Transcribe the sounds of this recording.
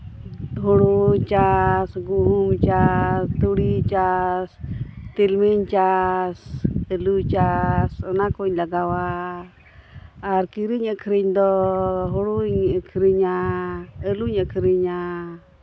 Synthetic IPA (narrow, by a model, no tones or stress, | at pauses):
ɦɔɽuɲt͡ʃasɡuɦumt͡ʃast̪uɽit͡ʃast̪ilmiɲt͡ʃasəlut͡ʃasənakɔɲlaɡawa | ɾkiɾiɲəkʰɾiɲd̪ɔɦɔɽuɲəkʰɾiɲa | əluɲəkʰɾiɲa